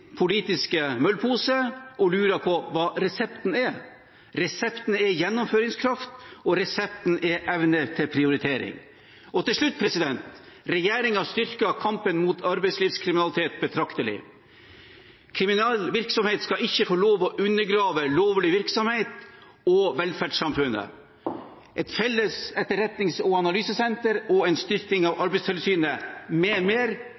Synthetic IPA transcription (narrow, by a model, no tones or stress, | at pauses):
pʰʊliːt̪ɪskəmœlpʰuːsəʔɔlʉːɾɑpʰɔʋɑːɾɛsɛpt̪n̩ɛ | ɾɛsɛpt̪n̩ɛjɛnːʊmføːɾɪŋskʰɾɑft̪ɔɾɛsɛp̚t̪n̩ɛʔɛʋnət̪ʰɪlpʰɾɪʊɾɪt̪ʰeːɾɪ̰ŋ | ɔt̪ʰɪlʂɭʉt̪ːpʰɾɛsɪd̪ɛnt̪ɾɛjeːɾɪŋɑst̪ʏɾkɑkʰɑmpənmuːt̪ʰɑɾbɛɪsliːʋskʰɾɪmɪnɑlɪt̪ʰeːt̪̚bət̪ʰɾɑkt̪əlɪ̰ | kʰɾɪmɪnɑlʋɪɾksɔmheːt̪skɑɪçːəfɔɭoːʋɔʔʉnːəɾɡɾɑːʋəloːʋlɪʋɪɾksɔmheɪt̪ | ɔʋɛlfæɖʂsɑmfʉnːə̰ | ʔɛt̪fɛlːəsɛt̪ːəɾɛt̪nɪŋsɔɑnɑlyːsəsɛnt̪əɾɔɛɪnst̪ʏɾkɪŋɑːʋɑɾbɛɪsʰɛlsyːnəmɛːmeːɾ